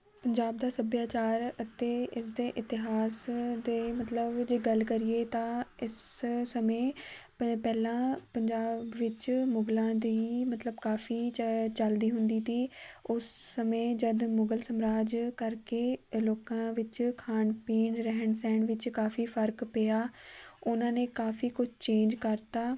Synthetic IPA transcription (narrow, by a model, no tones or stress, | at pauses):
pəɲd͡ʒaːb̚d̪aːsəbjaːt͡ʃaːɾət̪eːʔɪs̬d̪eːʔɪt̪ɪɦaːsd̪eːmət̪ləbd͡ʒeːɡəlkəɾɪeːt̪ãːɪssəmẽː | pɛːlãːpəɲd͡ʒaːbʋɪt͡ʃmʊɡlãːd̪iːmət̪ləbkaːfiːt͡ʃəld̪iːɦʊ̃nd̪iːt̪iːʊsːəmẽːd͡ʒəd̪mʊɡəlsəmɾaːd͡ʒkəɾkeːloːkãːʋɪt͡ʃkʰaːɳpiːɳɾəɦəɳsɛ̃ːɳʋɪt͡ʃkaːfiːpʰəɾkpejaːʊnãːnẽːkaːfiːkʊt͡ʃʰt͡ʃẽːnd͡ʒkəɾt̪aː